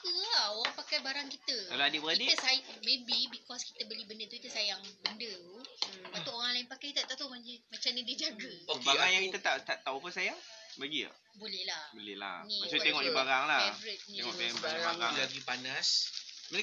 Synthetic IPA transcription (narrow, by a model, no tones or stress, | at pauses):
k̪uaoɣaŋpakajbaɾaŋkit̪əkalaadiʔbəakidiəsajmebibikɔski̥t̪əbəlibəndət̪ukit̪əsajaŋbəndə | bat̪oʔoɣaŋlaɪnpakajkit̪aʔt̪at̪amaŋimat͡ʃamnidid͡ʒaɡəokbaɡajaŋkit̪ət̪at̪aʔt̪awapəsajaŋbaɡia̰ | bolɛhlahbolɛ̰hla̰niasut̪eŋɔʔdibaɾaŋlaɛvɾət̪̚neŋɔ̰ʔpembibaɡalaɡipanasmən